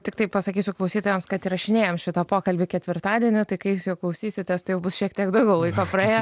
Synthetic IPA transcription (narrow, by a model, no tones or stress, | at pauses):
t̪ʲɪkt̪ɐɪppɐsɐkʲiːsʲʊklˠɐʊsʲiːt̪oːjɛmskɐt̪iɾɐʃʲɪnʲeːjomʃʲɪt̪ɐpoːkɐlʲbʲɪkʲɛt̪ʲʋʲɪrt̪ɑːd̪ʲiɛnʲʊt̪ɐɪkɐɪjʊsjɛʊklˠɐʊsʲiːsʲɪt̪ʲest̪ɐɪjɛʊbʊsʃʲiɛkt̪ʲiɛkd̪ɐʊɡʲɛʊlˠɐɪkoːprɐeːjɛ